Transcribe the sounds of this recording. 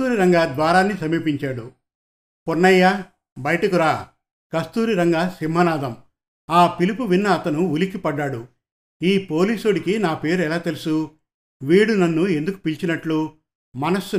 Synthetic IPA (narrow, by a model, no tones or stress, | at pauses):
uːɾiɾɐŋɡaːd̪ʋaːɾaːnːisɐmiːpiɲt͡ʃaːɽu | puɾnɐjːaː | bɐjɐʈɐkuɾaː | kɐst̪uːɾiɾɐŋɡaːsimɦɐnaːd̪ɐm | aːpilipuʋinːɐːt̪ɐnuulikipɐɖːaːɽu | iːpo̞ːliːsuɽikinaːpe̞ːɾɛlaːt̪elusu | ʋiːɽunɐnːue̞nd̪uku̥pilt͡ʃinɐʈlu | mɐnɐsːu